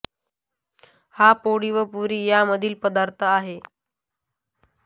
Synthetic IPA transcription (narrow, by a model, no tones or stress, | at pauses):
hapoɽiʋəpuɾiːjaməd̪ʱiːlpəd̪aɾt̪ʰəaɦe